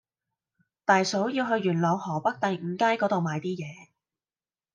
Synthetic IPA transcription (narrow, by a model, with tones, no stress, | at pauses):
t̪aː˨jso˨˥wjiː˧wɦɵ˧ɥːyː˨˩nlɔː˨˧ŋhɔː˨˩pɐ˥k̚t̪ɐ˨˧j̩˨˩kaː˥jkɔː˨˥t̪o˨wmaː˨˧jt̪iː˥jɛː˨˧